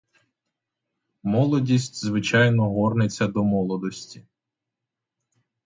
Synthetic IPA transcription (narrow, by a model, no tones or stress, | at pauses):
mɔlˠɔdʲisʲtʲzʋɪt͡ʃɑjnɔɦɔrnet͡sʲːɐd̪ɔmɔlˠɔd̪ɔsʲtʲi̥